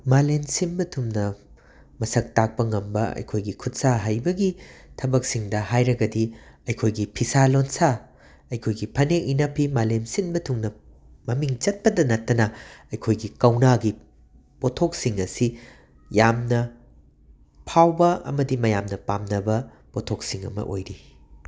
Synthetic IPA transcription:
malensinbɐtʰumnɐ | mɐsɐk̚tak̚pɐŋɐmbɐɐ̰jkʰojɡikʰut̚saɦɐjbɐɡitʰɐbɐk̚siŋdɐɦajɾɐɡɐdiɐjkʰojɡipʰisalonsa | ɐjkʰojɡipʰɐneʔinɐpʰimalensinbɐtʰuŋnɐ | mɐmiŋt͡ʃɐt̚pɐdɐnɐtːɐnɐɐjkʰojɡikɐwnaɡi | potʰok̚siŋɐsi | jamnɐ | pʰawbɐɐ̰mɐdimɐjamnɐpamnɐbɐ | potʰoksiŋɐ̰mɐ̰ʔo̰jɾi

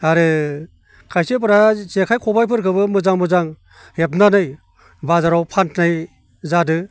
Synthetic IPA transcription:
aɾɯ | kʰajsɯp̬ɯɾazekʰajkʰɔbajpʰɯɾkʰɯbɯmɯzaŋmɯzaŋ | hepnanɯj | bazaɾawpʰantʰnaj | zadɯ

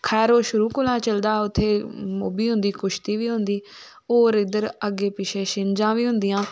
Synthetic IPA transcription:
kʰɛːɾoːʃʊɾuːkʊlaːt͡ʃəld̪aːʊt̪ʰːeːmoːbiːɦʊ̃nd̪iːkʊʃt̪iːʋiːɦʊ̃nd̪iː | oːɾɪd̪əɾəɡeːpɪʃeːʃɪnd͡ʒãːʋiːɦʊ̃nd̪ɪjãː

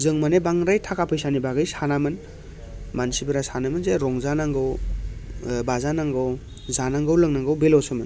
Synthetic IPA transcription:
zɯŋmanebaŋɾajtʰakʰapʰɯjsanibaɡɯjsanamɯn | mansibɯɾasanamɯnzeɾɔŋzanaŋɡɯw | bazanaŋɡɯw | zanaŋɡɯwlɯŋnaŋɡɯwbelɔsɯmɯn

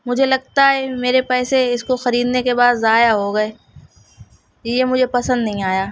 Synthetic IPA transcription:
mʊd͡ʒʱelɐɡ̚t̪aɦɛmeːɾepɛːseɪskoxɐɾiːd̪nekebaːd̪zaːjaɦoɡɐeː | jemʊd͡ʒʱepɐsə̃nd̪nɐɦĩaːjaː

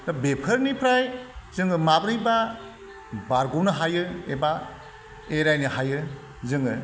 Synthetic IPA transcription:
dɔbepʰɯɾnipʰɾajzɯŋɯmabɾɯjba | baɾɡuwnɯɦajɯeba | eɾajnɯhajɯ | zɯŋɯ

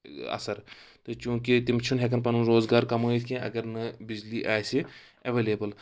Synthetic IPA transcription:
ɐ̰sɐɾt̪ot͡ʃũːkit̪ɪmt͡ʃʰunɦekɐnpɐnunɾoːzɡaːɾkɐmoːit̪ʰkẽːɐ̰ɡɐɾnɐbɪd͡ʒliːʔaːjsi | ɐʋeːleːbəl

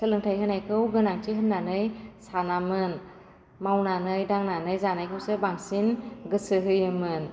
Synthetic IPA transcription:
sɯlɯŋtʰajɦɯnajkʰɯwɡɯnaŋtʰiɦɯnːanɯjsanamɯn | mawnanɯjdaŋnanɯjzanajkʰɯwsebaŋsinɡɯsɯɦɯjɯmɯn

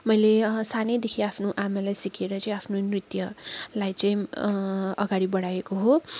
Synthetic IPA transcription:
mʌjlesanejd̪ekʰiapʰnoʔamalajsikʰeɾʌt͡sʌĩapʰnonrit̪jʌlajt͡sʌĩ | ʌ̰ɡaɽibʌɽajekoɦo

